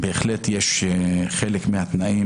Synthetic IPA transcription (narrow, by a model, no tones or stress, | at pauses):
beeχlet̪jeʃχelekmehat̪naʔi